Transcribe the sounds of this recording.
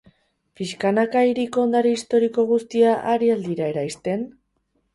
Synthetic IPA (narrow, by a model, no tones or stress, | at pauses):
piskanakaiɾikoːnd̪aɾiist̪o̞ɾiko̞ɣ̞ust̪iaʔaɾiald̪iɾae̞ɾajst̪e̞n